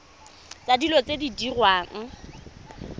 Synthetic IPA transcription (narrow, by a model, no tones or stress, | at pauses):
t͡sadilɔt͡sʼedidirwaːŋ̩